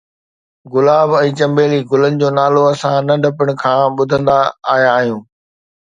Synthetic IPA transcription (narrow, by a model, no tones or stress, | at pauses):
ɡʊlaːbɛ̃ːt͡ɕɐ̃mbeːliɡʊlənɪ̆d͡ʑoːnaːloɐsãnɐɖʱɐpəɽ̃̆kʰãːɓʊd̪ʱə̃nd̪aːɦijaːɦijũː